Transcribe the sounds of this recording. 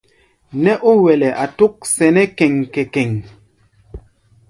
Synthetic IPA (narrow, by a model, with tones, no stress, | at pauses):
nɛ˦ʔu˦wɛ˨lɛ˨ʔa˨tu˦k̚sɛ˨nɛ˦kɛ˨ŋkɛ˨kɛ˨ŋ